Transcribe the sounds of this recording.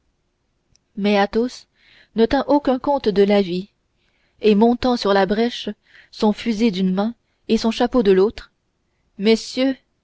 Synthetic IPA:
mɛat̪os | nət̪ɛ̃ʔokʲɛ̃kɔ̃t̪d̪əlavi | emɔ̃t̪ɑ̃syʁlabʁɛʃ | sɔ̃fyzid̪ynmɛ̃ | esɔ̃ʃapod̪əlot̪χ | mesjø

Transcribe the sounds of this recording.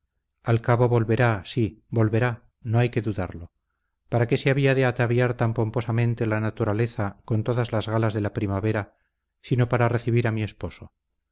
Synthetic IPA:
alkaβo̞βo̞lβe̞ɾasibo̞lβeɾa | no̞ajke̞ðuða̰ɾlo̞ | paɾake̞seaβiaðe̞at̪aβjaɾt̪ampo̞mpo̞samẽ̞nt̪elanat̪uɾale̞θakont̪o̞ðazlazɣalazðe̞lapɾimaβe̞ɾa | sino̞paɾare̞θiβiɾamie̞spo̞so̞

